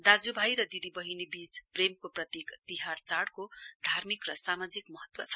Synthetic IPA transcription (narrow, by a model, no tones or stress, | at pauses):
d̪ad͡zubʱajɾʌd̪id̪ibʌɦinebit͡spremkoprʌt̪ikt̪iɦart͡saɽkod̪ʱarmikrʌsamad͡zikmʌɦʌt̪wʌ̰t͡sʰʌ̥